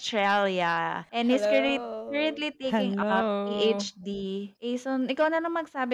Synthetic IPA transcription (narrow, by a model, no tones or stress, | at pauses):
st̪ɹɛljɐʔɛ̃nhɪskɛlikɛɹɛ̃nt̪lit̪ejkɪ̃ŋapiʔejt͡ʃd̪iʔejsɔnɪkawnɐlɐŋmɐɡ̚saːbɪ